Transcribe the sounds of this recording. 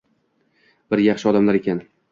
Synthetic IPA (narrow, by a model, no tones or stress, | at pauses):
b̥ɪɾjɑχʃɪɒd̪amlaɾekʲʰan